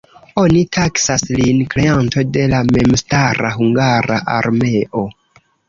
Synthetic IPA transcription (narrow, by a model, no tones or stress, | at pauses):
o̞nitʰaksaslinkɾe̞anto̞de̞lame̞mstaɾaɦuŋɡaɾa̰ʔa̰ɾme̞ʔo̞